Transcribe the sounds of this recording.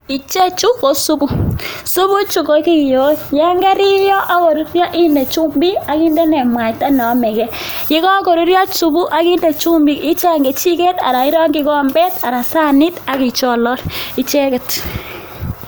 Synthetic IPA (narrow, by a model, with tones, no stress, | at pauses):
i˨t͡ʃe˦t͡ʃu˦ko˨su˦bu˦su˦bu˦t͡ʃu˨ko˨ki˦˨jo˦jɛ˦ŋɡɛ˦ɾɪ˦jɔ˦ʔa˦ko˨ɾu˦ɾja˦ʔɪ˦ndɛ˨t͡ʃu˦mbi˦a˨ki˦ndɛ˦nɛ˨mwa˨kta˦nɔ˨˦mɛ˨kɛ˦ | jɪ˦kɔ˦ko˨ɾu˦ɾja˦su˨bu˦ʔa˦ki˦nde˨t͡ʃu˦mbi˦˨kɪ˦t͡ʃa˦˨ŋɡe˨t͡ʃi˦ke˦ta̰˨ɾa˨ɪ˦ɾɔ˦ŋɡɪ˦kɔ˦mbɛ˦ta˨ɾa˨sa˦ni˦ta˨ki˨t͡ʃɔ˦˨lɔ˦ɾi˨t͡ʃɛ˦kɛ˨t